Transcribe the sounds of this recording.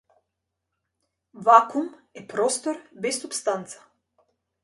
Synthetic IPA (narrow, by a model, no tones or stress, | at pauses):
vakumɛpɾɔst̪ɔɾbɛsːupst̪ant̪sḁ